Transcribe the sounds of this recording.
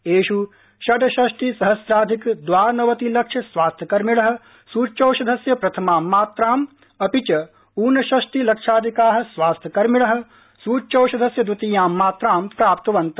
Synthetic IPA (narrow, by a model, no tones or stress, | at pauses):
eːʃu | ʃɐɖɐʃɐʃʈisɐɦɐsɾaːd̪ʱikd̪ʋaːɾnɐʋɐt̪ilɐkʂʰɐsʋaːst̪ʰjɐkɐɾmɪɭɐɦɐ̆ | suːt͡ʃɐːʃɐd̪ʱɐsjɐpɾɐt̪ʰɐmaːmːaːt̪ɾaːm | ɐpit͡ʃɐ | uːnɐʃɐʃʈilɐkʃaːd̪ʱikaːɦsʋwaːst̪ʰjɐkɐɾmɪɭɐɦɐ̆ | suːt͡ʃɐːʃɐd̪ʱɐsjɐd̪ut̪ijaːmːaːt̪ɾaːmpɾaːpt̪ɐʋɐnt̪ɐ